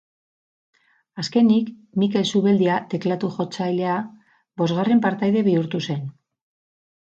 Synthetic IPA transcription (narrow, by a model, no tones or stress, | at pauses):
aske̞nikmike̞lsuβe̞ld̪iat̪e̞klat̪uxo̞t͡sajle̞a | bo̞zɣare̞mpaɾt̪ajðe̞βiuɾt̪use̞n